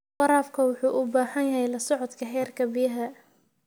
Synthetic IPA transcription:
ɑɾaːfkʰɐwʊħuːʔʊbaːhɐnjɐɦɛjlɐsɔʕɔd̪kʰɐɦɛːrkʰɐbɪjɐɦɐ

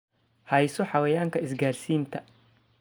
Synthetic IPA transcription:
hɐjsɔħawɛjaːŋkʰɐɪsɡaːɾsiːnt̪ʰɐ

